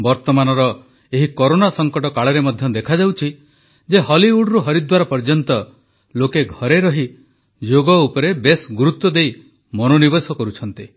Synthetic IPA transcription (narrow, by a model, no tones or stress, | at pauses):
bɔɾt̪ɔmanɔɾɔ | eɦikɔɾonasɔŋkɔʈɔkaɭɔɾemɔd̪ʱjɔd̪ekʰad͡ʒawt͡ʃʰi | d͡ʒeɦɔliuɖɾuɦɔɾid̪waɾapɔɾd͡ʒɔnt̪ɔ | lokeɡʱɔɾeɾɔɦi | d͡ʒoɡɔupɔɾebesɡuɾut̪wɔd̪ej | mɔnonibesɔkɔɾut͡ʃʰɔnt̪i